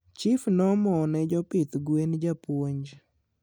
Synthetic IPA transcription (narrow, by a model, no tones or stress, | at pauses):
t͡ʃifnɔmɔnɛd͡ʒɔpɪt̪ɡwend͡ʒapwoɲd͡ʒ